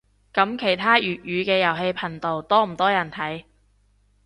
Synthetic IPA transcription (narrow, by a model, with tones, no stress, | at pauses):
kɐ˨˥mkʰe˨˩jt̪ʰaː˥jyː˨t̚jyː˨˧kɛː˧jɐ˨˩wɦe˧jpʰɐ˨˩ŋt̪o˨wt̪ɔː˥m̩˨˩t̪ɔː˥jɐ˨˩nt̪ʰɐ˨˥j